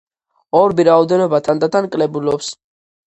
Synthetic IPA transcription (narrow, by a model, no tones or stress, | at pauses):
ɔɾbiɾaɔd̪ɛnɔbat̪ʰand̪at̪ʰankʼlɛbulɔps